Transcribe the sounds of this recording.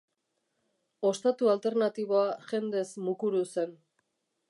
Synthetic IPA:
o̞st̪at̪ualt̪e̞ɾnat̪iβ̞o̞aʝe̞nd̪e̞smukuɾuse̞n

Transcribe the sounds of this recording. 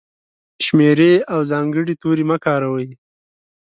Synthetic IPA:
ʃmeɾeawzɑŋɡəɽit̪oɾimakɑːɾawəj

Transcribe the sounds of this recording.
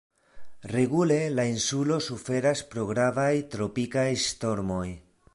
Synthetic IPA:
re̞ɡule̞lainsulo̞sufe̞ɾaspɾo̞ɡɾavajt̪ɾo̞pikajsto̞ɾmo̞j

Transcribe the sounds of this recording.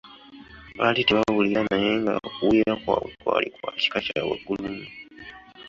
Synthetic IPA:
βatiteβaaβuliɾanajeːŋɡa̰okuwiːɾakwakwa̰likwaci̥kacaweɡːulumu

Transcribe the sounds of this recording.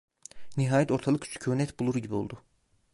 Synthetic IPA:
niɦɑːjæt̪ʰo̞ɾt̪ʰalˠɯkcʰy̥t͡ʃʰy̥cʰønɛt̪ʰbulˠuɾuɟibiolˠd̪u

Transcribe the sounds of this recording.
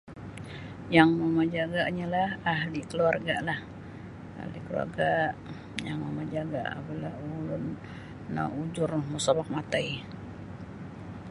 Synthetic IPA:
jaŋməmad͡ʒaɡaʔɲalahaɦlikəluarɡaʔlah | a̰hlikəlṵa̰rɡaʔ | jaŋməmad͡ʒaɡa̰ʔa̰palahulʊnː | a̰ud͡ʒʊrmusabak̚mat̪aj

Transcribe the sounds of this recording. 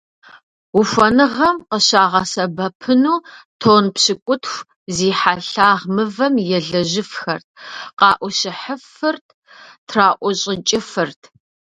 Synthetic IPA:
ufɐnɨʁɐmqəɕaːʁɐsɐbɐpʰɨnuːtʰoːnpɕɪkʷʼʊtʰxʷ | ziːħaɬaːʁmɨvɐmjɛɮɐʑɪfxɐrt̚ʰqɑːʔʷɔɕɪħəfɨrtʰ | tʰraːʔʷɔɕʼɪt͡ʃʼɪfɨrtʰ

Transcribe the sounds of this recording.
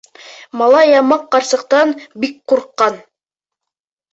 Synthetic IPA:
mɑlˠɑjɑmɑqːɑɾsɤ̆qt̪ɑnbik̚quɾqːɑn

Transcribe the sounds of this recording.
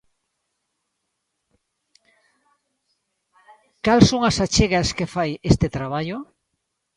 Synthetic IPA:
kalsoŋasat͡ʃeɣaskefajest̪et̪ɾaβ̞aʎo

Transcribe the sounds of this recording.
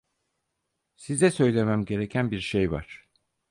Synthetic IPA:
sizɛsø̞jlʲe̞mæmɟe̞ɾe̞cʰænbiɾʃejva̰ɾ̝̥

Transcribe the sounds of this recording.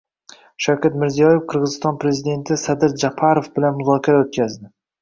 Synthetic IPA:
ʃawkʲat̪mɪɾzijɒje̞fqʰɨɾʁɨzɪst̪ɒnpʰɾe̞zid̪e̞nt̪ʰɪsad̪ɪɾd͡ʒapʰaɾofbɪlanmʊzɒkʲʰaɾaot̪̚kʲazd̪ɪ

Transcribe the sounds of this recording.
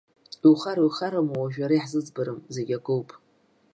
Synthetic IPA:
iwχaɾuχaɾamawaʒᶣaɾajħzɨd͡zbaɾɨmzeɡʲakʼɨwpʼ

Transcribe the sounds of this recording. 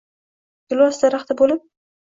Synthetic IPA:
ɡʊlˠɒsd̪aɾɑχt̪ʰabolɪp̚

